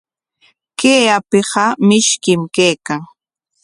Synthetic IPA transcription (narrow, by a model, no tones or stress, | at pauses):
keːapɪɢɑmɪʃkɪmkejkaŋ